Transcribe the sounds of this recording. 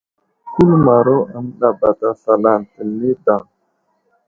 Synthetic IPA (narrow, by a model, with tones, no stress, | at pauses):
ku˦lma˨ɾo˦ʔa˨mla˨ba˨t̪a˨sa˨la˨nt̪ə˨ni˦da˨